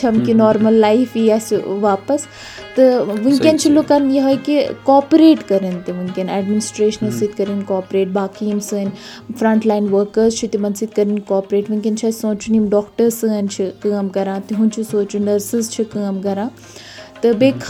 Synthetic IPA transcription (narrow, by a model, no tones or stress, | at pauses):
t͡ʃʰɐmkinɔːɾmɐlːaifiasʋaːpɐs | t̪ɨʋũŋkʲɐnt͡ʃʰilokannjɐɦɐjkikɔːpɾeːʈkɐɾɐnt̪iʋuŋkʲɐnɛɖminɪsʈɾeːʃənɐsit̪kɐɾinkɔːpɾeːʈ̚baːkʰiːmsɨːn | fɾɐ̃ɳʈlaːinʋəɾkəɾzt͡ʃʰit̪imɐnsit̪̚kɐɾinkɔːpɾeːʈʋɨ̃ŋkʲɐnt͡ʃʰɐːsõːt͡ʃʰunimɖɔːkʈəɾsɨːnt͡ʃʰikəːmkɐɾãːt̪iɦũnt͡ʃʰisoːt͡ʃunɐɾsɨzt͡ʃʰikəːmkɐɾãː | t̪ɨbeːkʰ